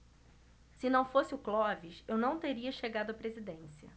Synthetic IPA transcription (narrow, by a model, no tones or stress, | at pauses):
sɪnɐ̃w̃fosɪʊklɔviʃewnɐ̃w̃t̪eɾiɐʃeɡad̪ʊɐpɾezid̪ẽsiɐ̰